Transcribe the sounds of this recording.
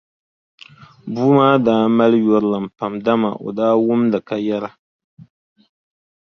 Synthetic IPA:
buː˦maː˦daː˦ma˦ljɔ˨ɾɨ˦lɨ˨m̩˨pa˨mda˦ma̰˨ʔo̰˨daː˦wʊ˦mdɨ˨ka˦jɛ˦ɾa˦

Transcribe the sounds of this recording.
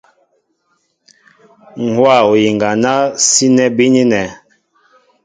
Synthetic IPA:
ŋ̩˨hwa˦˨o˨ji˨ŋɡa˨na˦si˦nɛ˦bi˦ɲi˦nɛ˨

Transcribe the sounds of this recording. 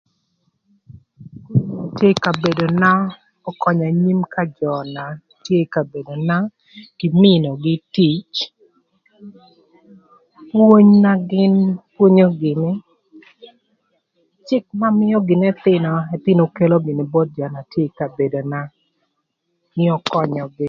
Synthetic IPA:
tje˦ka˨be˨do˨na˦ | ɔ˦kɔ˨ɲa˨ɲi˦mka˦d͡ʒɔ˨na˨ | tje˦ka˨be˨do˨na˦ | ɡ̥ɪ˨mɪ˦no˨ɡɪ˦ti˦t͡ʃ | pwo˦ɲna˦ɡɪ˦npwo˦ɲo˦ɡɪ˨nɪ˦ | t͡ʃɪ˦k̚ma˦mɪ˦jɔ˦ɡɪ˨nɛ˦t̪ɪ˦nɔ˨ɛ˨t̪ɪ˦no˨ke˦lo˦ɡɪ˨nɪ˨bɔ˦t̚d͡ʒa˨na˨tje˦˨ka˨be˨do˨na˦ | nɪ˦ɔ˨kɔ˦ɲɔ˨ɡɪ˦

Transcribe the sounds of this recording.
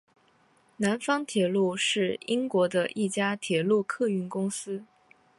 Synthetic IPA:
na˧˥nfɑ˥ŋt̪ʰjɛ˨˩lu˥˧ʂɻ̩˥˩i˥ŋkwɔ˧˥d̪ə˧ʔi˥˩t͡ɕja˥t̪ʰjɛ˨˩lu˥˧kʰɤ˥˧y˥˩nkʊ˥ŋsɹ̩˥

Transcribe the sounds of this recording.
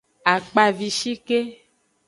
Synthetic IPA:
a˨k͡pa˨vi˨ʃi˦ke˦

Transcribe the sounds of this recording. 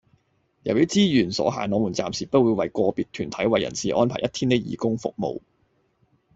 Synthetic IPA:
jɐ˨˩wjiː˥t͡siː˥jyː˨˩nsɔ̰ː˨˥ɦa̰ː˨˩nlɔː˨˧muː˨˩nt͡saː˨msiː˨˩pɐ˥t̚wu˨˧jwɐ˨jkʷɔː˧piː˨t̚t̪ʰːyː˨˩nt̪ʰɐ˨˥jwɐ˨jːɐ̰˨˩nsiː˨ʔɔ̰ː˥npʰaː˨˩jʔɐ˥t̪ʰiː˥ne˥jḭː˨kʊ˥ŋfʊ̰˨k̚mo̰˨˧w

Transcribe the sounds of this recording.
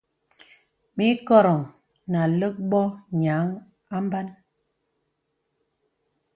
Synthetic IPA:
mi˨˦kɔ˦ɾɔ˨ŋ | na˨lə˦k̚bɔ˦ɲaː˨˦ŋ | a˦m˦ba˦n

